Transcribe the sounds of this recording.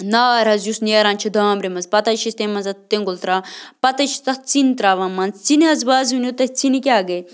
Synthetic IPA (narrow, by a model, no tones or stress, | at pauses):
naːɾɐzjusneːɾaːnʲt͡ʃʰid̪ʱaːmbɾimɐzpɐt̪ɐt͡ʃʰist̪emɐnzɐt̪t̪ːẽŋɡult̪ɾaːpɐt̪ɐt͡ʃʰi̥t̪ɐt͡sint̪ɾaːʋɐmɐnzt͡siniɦɐzbaːzunot̪ɐt͡sinikʲaːɡɐj